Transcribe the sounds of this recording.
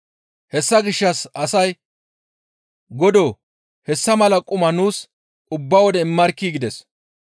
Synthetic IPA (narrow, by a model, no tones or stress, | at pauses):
hɛsːɐɡɪʃːɐsɐsɐj | ɡɔd̪oː | hɛsːɐmɐlɐkʼʊmɐnuːs | ʊbːɐwɔd̪ɛɪmːɐɾkːiːɡɪd̪ɛs